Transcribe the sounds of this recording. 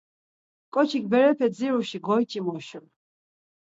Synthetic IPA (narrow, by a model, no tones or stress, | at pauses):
kʼɔt͡ʃʰik̚ʰʼbɛɾɛpʰɛd͡ziɾuʃiɡɔjt͡ʃʼimɔʃul